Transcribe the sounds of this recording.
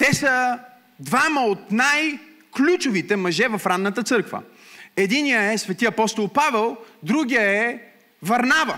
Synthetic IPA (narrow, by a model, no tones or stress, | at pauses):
t̪ɛsə | d̪vaməot̪naj | klʲut͡ʃovit̪ɛmɐʒɛvɐfɾanːət̪ət̪sɤɾkvə̰ | ɛd̪inijəɛsvɛt̪iɐpɔst̪olˠpavɛlˠd̪ɾuɡʲijəɛ | vɐɾnavə